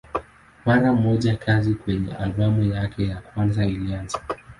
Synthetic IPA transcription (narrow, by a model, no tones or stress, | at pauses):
maɾam̩mɔʄakʰazikwɛɲɛ̰ʔa̰lɓamujakʰɛjakwanzailianza